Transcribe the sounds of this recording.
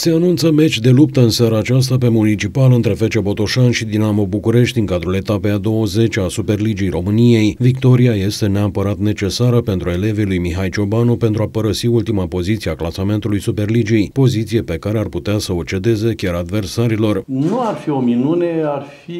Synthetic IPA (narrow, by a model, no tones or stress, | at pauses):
se̞anunt̪səme̞t͡ʃʲd̪e̞lup̚t̪əɨnseaɾaːt͡ʃas̬t̪ape̞munit͡ʃipalɨnt̪ɾe̞fe̞t͡ʃe̞bo̞t̪oʃanʃid̪inamo̞bukuɾe̞ʃt̪ʲiŋkad̪ɾule̞t̪apejad̪o̞wəze̞t͡ʃasupe̞rlid͡ʒijro̞mɨnije̞jvikt̪o̞ɾiaje̞st̪e̞neapəɾat̪ne̞t͡ʃe̞saɾəpe̞nt̪ɾue̞le̞velujmiɦajt͡ʃo̞banupe̞nt̪ɾuapəɾəsiult̪imapo̞zit̪siaklasame̞nt̪ulujsupe̞rlid͡ʒiejpo̞zit̪sije̞pe̞kaɾe̞arput̪easəo̞t͡ʃe̞d̪e̞ze̞kʲaɾad̪ve̞rsaɾilo̞rnuarfio̞minunearfi